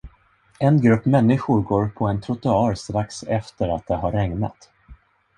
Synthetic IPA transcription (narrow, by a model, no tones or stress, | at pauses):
ɛnɡɾɵpːmɛnːɪɧʊɾɡoːɾpʰɔɛnt̪ʰɾʊt̪ʊɑːɾst̪ɾaksɛft̪əɾat̪̚d̪ɛɦaɾːɛŋna̰t̪